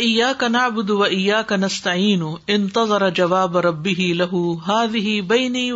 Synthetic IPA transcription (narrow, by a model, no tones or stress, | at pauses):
ʔɪjːaːkanaʕbʊd̪waʔɪjːaːkanast̪aʕiːnʊʔɪnt̪ɑðˤɑɾˤɑd͡ʒawaːbɾˤɑbːɪɦɪlaɦʊɦaːðɪɦɪbajniː